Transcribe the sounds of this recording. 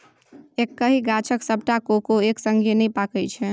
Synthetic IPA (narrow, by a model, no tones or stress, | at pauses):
ekːəɦiɡat͡ʃʰəksəbʱʈakokoeksəŋɡʱenəjpakəjt͡ʃʰɛ